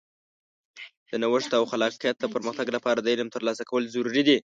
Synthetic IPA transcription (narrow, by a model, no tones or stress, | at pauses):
d̪̥ənawəʂt̪awxalɑqjat̪̚d̪əpəɾməxt̪aɡlapɑɾad̪əilamt̪əɾlɑsakawəlzaɾuɾid̪i